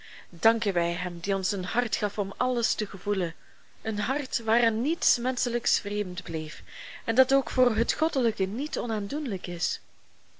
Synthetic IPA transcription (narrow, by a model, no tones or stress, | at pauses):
dɑŋkənʋɛjɦɛmdiɔnsənhɑrtxɑfɔmɑləstəɣəvulən | ənɦɑrtʋaːrɛnnitsmɛnsələksfreːmntbleːfɛndɑtoːkfoːrɦətxɔdələkənitɔnaːndunləkɪs